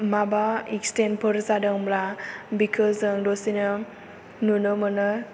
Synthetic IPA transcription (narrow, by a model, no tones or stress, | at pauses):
mabaikstenpʰəɾsadəŋblabikʰɯzɯŋdɔsinə | nunɯmənɯ